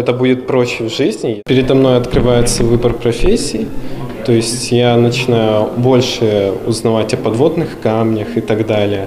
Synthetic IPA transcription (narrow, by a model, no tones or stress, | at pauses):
ɛt̪əbudʲɪt̪pɾoɕːɪvʐɨzʲnʲɪpʲɪɾʲɪd̪ɐmno̞jɐt̪kɾɨvajɪt̪səvɨbərpɾɐfʲesʲːiː | t̪o̞jɪsʲtʲjanət͡ɕɪnajʊbo̞lʲʂɨʊ̰znɐvatʲɐpɐd̪vo̞d̪nɨxkamnʲəxɨt̪ɐɡd̪alʲɪjə